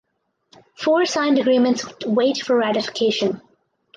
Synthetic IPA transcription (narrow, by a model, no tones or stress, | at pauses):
fɔːɹsãɪ̃ndəɡɾĩːmə̃ntsweɪtfəɹɹæɾɪfɪ̥kʰeɪʃə̃n